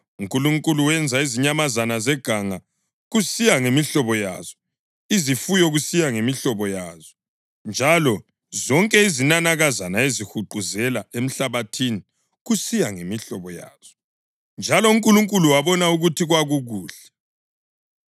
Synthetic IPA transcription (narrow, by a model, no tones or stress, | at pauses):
uŋkʼuluŋkʼuluwɛnd͡zʱaiziɲamazanazɛɡ̥ʱaŋa | ɣusijaŋemiɬɔβɔja̰ːz̥ɔ̥ | izifujɔɣusijaŋemiɬɔβɔjaːzɔ | nd͡ʒʱalɔ | zɔŋkʼɛizinanaɣazanaezixuǃuzɛlaem̩ɬaβatʰini | ɣusijaŋemiɬɔβɔja̰ːz̥ɔ | nd͡ʒʱalɔuŋkʼuluŋkʼuluwaβɔnauɣutiɣwaɣuɣuːɬɛ̥